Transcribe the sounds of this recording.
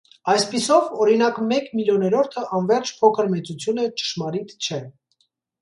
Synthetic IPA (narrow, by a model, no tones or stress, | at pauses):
ɑjspisɔvɔɾinɑkmɛkmiljɔnɛɾɔɾt̪ʰəʔɑnvɛɾt͡ʃʰpʰɔkʰəɾmɛt͡sut͡sʰjunət͡ʃə̥ʃmɑɾit̪ʰt͡ʃʰɛ